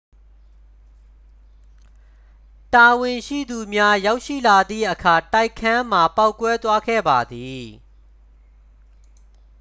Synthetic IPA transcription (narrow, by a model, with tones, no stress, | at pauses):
ta˨wɪ̃˨ʃḭ˦˨d̪u˨mja˦ja˦ʊʔʃḭ˦˨la˨d̪ðḭ˦˨ʔəkʰa˨ta˦ɪkʰːã˦m̥a˨pa˦ʊkːwɛ˦t̪wa˦ɡɛ̰˦˨ba˨d̪i˨